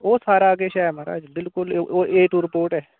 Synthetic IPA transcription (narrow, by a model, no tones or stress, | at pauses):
oːsaːɾaɡeʃɛːmaɾa̰ːd͡ʒbɪlkʊloːʔeːʈuːɾɪpoːɾʈɦɛː